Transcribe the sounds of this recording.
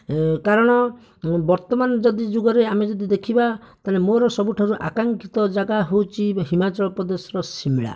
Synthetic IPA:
kaɾɔɽ̃ɔ | bɔɾt̪ɔmanɔd͡ʒɔd̪id͡ʒoɡɔɾeamed͡ʒɔd̪id̪ekʰibat̪alemoɾɔsɔbuʈʰaɾuʔa̰kaŋkit̪ɔd͡ʒaɡaɦowt͡ʃʰiɦimat͡ʃɔlɔpɾɔd̪esɔɾɔsimiɭa̰

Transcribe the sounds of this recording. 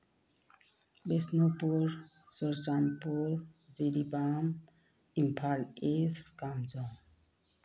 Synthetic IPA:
besnopuɾ | sɔɾsanpuɾd͡ʒiɾibam | impʰaleskamd͡ʒɔ̃

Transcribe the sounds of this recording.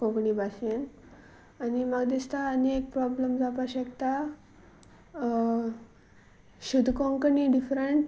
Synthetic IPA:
koɡɳibasen | animəɡd̪ist̪aːniek̚pɾɔbləmd͡zʱapaɕəkt̪a | ɕud̪ʱkoŋkəniɖifɾəɳʈ

